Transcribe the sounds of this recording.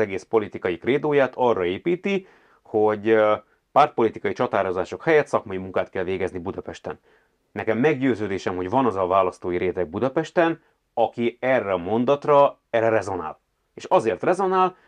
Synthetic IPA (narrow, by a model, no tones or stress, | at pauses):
ɛɡeːspo̞lit̪ikɒjikreːd̪oːjaːt̪ʰɒrːɒeːpiːt̪i | ho̞ɟ | paːrt̪̚po̞lit̪ikɒjit͡ʃɒt̪aːɾo̞zaːʃo̞khɛjɛt̪sɒkmɒjimuŋkaːt̪kɛlveːɡɛznibud̪ɒpɛʃt̪ɛ̰nː | ɛkɛmːɛɡɟøːzøːd̪eːʃɛmho̞ɟvɒnɒzɒvaːlɒst̪oːjiɾeːt̪ɛɡ̚bud̪ɒpɛʃt̪ɛn | ɒkiɛrːɛɒmo̞nd̪ɒt̪rɒ | ɛrɛɾɛzo̞na̰ːl | eːʃɒzeːrt̪rɛzo̞naːl